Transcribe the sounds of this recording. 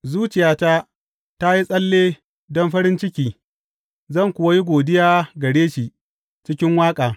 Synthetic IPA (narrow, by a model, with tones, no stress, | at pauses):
zuː˦t͡ʃɪ˨jaː˨ta˦ | ta˦ji˦sʼɐ˦lːeː˦ | dɔ˦mɸɐ˦ɾɪ˦nt͡ʃɪ˦kʲiː˨ | zɐ˦˨ŋkʷʊ˨wa˦ji˦ɡʷoː˨dɪ˦jaː˦ɡɐ˨ɽeː˦ʃi˨ | t͡ʃɪ˦kʲɪ˦ŋwaː˦kʼaː˨